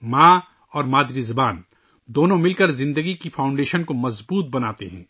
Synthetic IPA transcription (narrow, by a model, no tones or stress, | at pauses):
maː | ɔːɾmaːd̪ɾizɐbaːn | d̪oːnõmɪlkɐɾzɪ̃nd̪əɡikifʰaːʊ̃ɳɖeːʃənkomɐzbuːt̪̚bɐnaːt̪ḛɦɛ̰̃ː